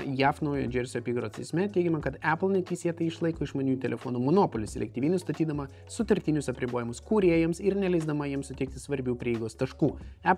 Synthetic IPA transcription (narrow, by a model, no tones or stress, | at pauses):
jæːfnɐʊjoːd͡ʒʲɛɾʲsʲoɐpʲiːɡɐɾoːt̪sʲɛɪsʲmʲɛt̪ʲɛɪɡʲɛmʲɐkɐt̪æːplˠnʲɛt̪ʲiːsʲiɛt̪ɐɪɪʃlˠɐɪkoːɪʃmɐnʲuːt̪ʲɛlʲɛfoːnuːmonoːpolʲʊssʲɛ̰lʲɛ̰k̚t̪ʲiːʋiːnʲʊst̪oːt̪ʲiːd̪ɐmɐ | sʊt̪ɐɾʲt̪ʲɪːnʲʊsɐpʲɾʲɪboːjɪmʊskuːɾʲiɛjɛmsɪɾnʲɛlʲɛɪzd̪ɐmɐjiɛmsʊt̪ʲɛɪk̚t̪ʲɪsʋɐɾʲbʲuːpʲɾʲiɛɪɡoːst̪ɐʃkuːæp